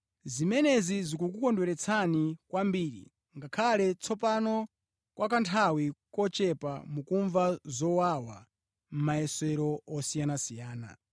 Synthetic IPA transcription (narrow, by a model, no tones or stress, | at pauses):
zimɛnɛzizikukukɔndwɛɾɛt͡sʰanikwambiːɾḭ | ŋɡakʰalɛt͡sʰɔpanɔ | kwʔak̬antʰawikɔt͡ʃɛpamukuɱvazɔwawa | m̩majɛsɛɾɔɔsijanasijaːna̰